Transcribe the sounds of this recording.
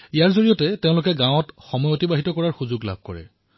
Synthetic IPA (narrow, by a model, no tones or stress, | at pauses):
ijaɹzoɹijɔtɛtẽʊ̃lʊkɛɡãw̃ɔtxɔmɔjotibaɦitɔkɔɹaɹxuzʊɡla̰b̚ʱkɔ̰ɹɛ̰